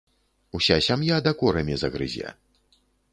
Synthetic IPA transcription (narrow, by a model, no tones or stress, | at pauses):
usʲasʲamjad̪ɐkɔɾɐmʲizɐɣɾɨ̰zʲa̰